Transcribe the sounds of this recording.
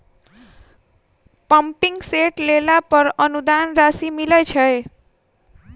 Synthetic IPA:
pʌmpiŋɡseʈlelapʌɾʌnud̪anrasimilʌjt͡sʰʌe

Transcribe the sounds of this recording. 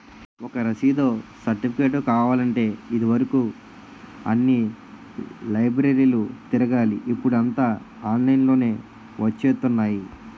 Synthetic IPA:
ɔkɐɾɐsiːd̪o̞ːsɐɾʈipʰikeːʈokaːʋaːlɐɳʈe̞ːid̪iʋɐɾɐkuː | ɐ̰nːi | lɐjbɾeɾiːlut̪iɾɐɡaːliʔipːuɽuɐnt̪aː | aːnnɐjnlo̞ːne̞ː | ʋɐt͡ʃːeːt̪unːaːji

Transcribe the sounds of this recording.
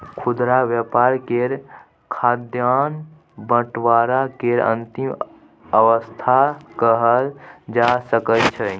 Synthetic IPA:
kʰud̪ɾaʋjəpaɾkeɾ | kʰaːd̪jan | bə̃ʈwaɾakeɾə̰̃nt̪im | əʋəst̪ʰakəɦəld͡ʒasəkətt͡ʃʰə

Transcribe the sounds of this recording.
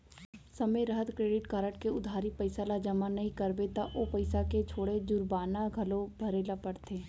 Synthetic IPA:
sɐmeɾɐɦət̪kɾeːɖɪʈkaːɾəʈkeʊd̪ʱaːɾipɐɪsalad͡ʒɐmanɐɦĩkɐɾbet̪aʔopɐɪsaket͡ʃʰoːɽed͡ʒʊɾbaːnaɡʱɐlobʱɐɾeːlapɐɽt̪ʰeː

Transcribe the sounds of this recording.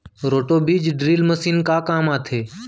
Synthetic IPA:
ɾoːʈoːbiːd͡ʒɖɾiːlməsiːnkaːkaːmaːt̪ʰeː

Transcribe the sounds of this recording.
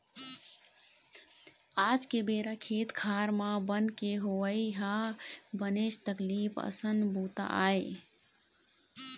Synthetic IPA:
ad͡ʒkebeɾakʰet̪kʰaɾmãbənkeɦoəjɦabənet͡ʃt̪əklipʰə̰sənbut̪a̰ʔa̰e

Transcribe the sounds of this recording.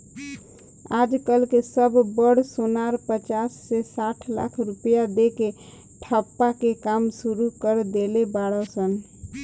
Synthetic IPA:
ad͡ʒkəlkesəbʱbəɽsonaɾpət͡ʃasːesaʈʰla̰kʰɾupəjad̪eke | ʈʰəpːakekamsuɾukəɾd̪elebaɽəsən

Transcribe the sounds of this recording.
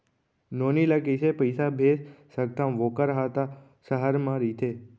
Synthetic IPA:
nonilakəjsepəjsabʱessəɡ̚t̪ʰãmʋokəɾɦat̪a | səɦəɾmãɾit̪ʰe

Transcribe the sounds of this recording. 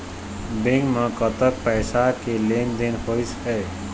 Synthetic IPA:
bẽŋɡmə̃kət̪ək̚pɛːsakelend̪enhojsɦɛː

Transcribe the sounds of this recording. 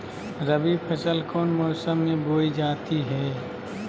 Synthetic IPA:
ɾəbiːbpʰɪsəlkʰoːnmɔːsəmːẽboːid͡ʒaːt̪iɦɛː

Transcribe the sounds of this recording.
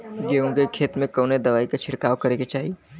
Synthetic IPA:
ɡeõɡekʰːeːt̪mẽkɐːned̪ɐʋaːikat͡ʃʰɪɽkaːʋkɐɾeket͡ʃaːɦi

